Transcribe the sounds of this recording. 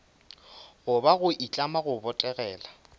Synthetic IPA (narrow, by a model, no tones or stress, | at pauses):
ɣʊbaɣʊʔit͡ɬʼamaɣʊbɔtʼɛɣɛːla